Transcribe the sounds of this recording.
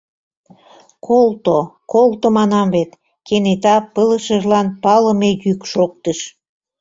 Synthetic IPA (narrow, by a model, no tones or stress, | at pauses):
kʰolt̪okolt̪omɑnɑmvet̪ | kenet̪ɑpələʃəʒlɑnpɑləmejykʃok̚t̪əʃ